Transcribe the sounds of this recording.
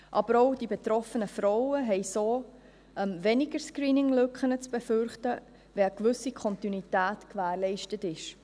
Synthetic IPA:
ʔɑb̥əɾɔʊd̥ibɛt̪ɾɔfənəfɾɔwəɦɛɪsoː | ʔəmvɛnɪɡəɾskɾiːnɪŋlɵkχənət͡sb̥ɛfʏɾχtə | ʋɛəkʋʏsikʰɔntinwitæːtkvæːɾlɛɪʃtətɪʃ

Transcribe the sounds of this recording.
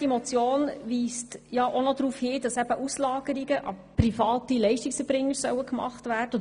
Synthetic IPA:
d̥imot͡sjoːnʋiːstjɑʔonɔd̪ɾuːfhiːd̥ɑsæb̥əʔuslɑːɡ̥əɾiɡəʔɑprifɑːtilɛɪʃtiksəb̥ɾɪŋːəɾsœ̰wəkmɑ̰χtvæːrdə

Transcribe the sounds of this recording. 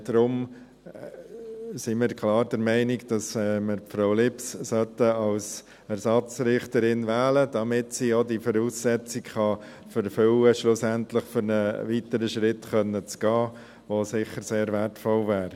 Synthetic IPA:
d̥ɾʊm | simɪːɾkʰlɑːɾdəɾmɛɪnɪɡd̥ɑsɛməɾpfɾoʊlɪpssœtəɑls | æɾsɑt͡sɾɪχtəɾɪnvæːləd̥ɑmɪtsiːodifɔɾuːsːɛt͡sɪkχɑ | fəɾfʏwəʃlʊsæntləχfʏɾnəvitəɾəʃɾɪtχœnːət͡sɡ̥ɑː | ʋosɪχəɾseːɾvɛtfɔlvæːɾ

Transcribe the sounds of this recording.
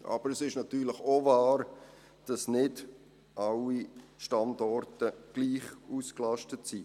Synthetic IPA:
ʔɑ̰b̥əɾəsɪʃnɑtyːɾlɪχovɑːɾ | d̥ɑsnɪd | ʔɑlːiʃtɑndɔrtəɡ̥liːχuːsklɑʃtətsi

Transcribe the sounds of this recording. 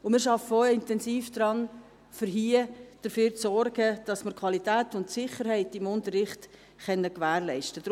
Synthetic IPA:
ʊmɪʃɑfəoɪntɛnsiːfd̥ɾɑn | fəɾɦiːəd̥əɾfyːɾt͡sɔɾɡ̥əd̥ɑsməɾkʰwɑlitæːtʊntsɪχəɾhɛɪtɪmʊntəɾɪχt | χɛnːəkʋæːɾlɛɪʃtəd̥

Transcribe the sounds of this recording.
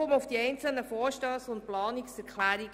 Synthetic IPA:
ʊmʊfd̥iɛɪnt͡sl̩nəfɔːɾʃtœsʊnt̚plɑːniksɛɾklæːɾi

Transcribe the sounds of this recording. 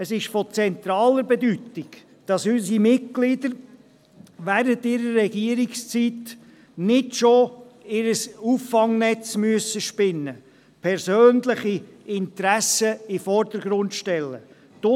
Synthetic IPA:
əsɪʃfɔt͡sɛnt̪ɾɑːləɾbɛd̪ytɪɡ̥ | d̥ɑsysimɪt̚ɡ̥lɪd̪əɾ | ʋæːɾəntɪɾəɾːɛɡ̥iəɾɪkst͡sit | nɪdʃoɪɾəsuːfːɑŋnɛt͡smyəsəʃpɪnːə | pʰɛɾsøːnlɪχiɪnt̪ɾæsəɪfɔɾd̥̪əɾɡɾʊntʃtɛlːə | d̥o

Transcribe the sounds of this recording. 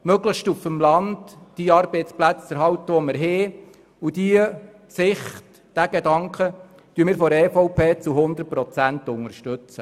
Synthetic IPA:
møɡləʃtufəmlɑndd̥iːɑːɾb̥eɪtsplæt͡sɛɾɦɑwt̪əʋɔməɾɦɪː | ud̥iə | sɪχt | d̥æɡedɑŋkʰχə | tyəmɪːɾfɔɾɛːfɔʊpʰeːt͡suɦʊnd̪ərt̚pɾɔt͡sænt̪ʊŋəɾʃtɵt͡sə

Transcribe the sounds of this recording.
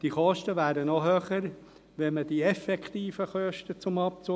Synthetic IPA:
d̥iχɔʃtəʋæːɾənɔɦøːχəɾ | ʋɛməd̥iɛfɛkχt̪iːfəχœʃtət͡sʊmɑp̚t͡su

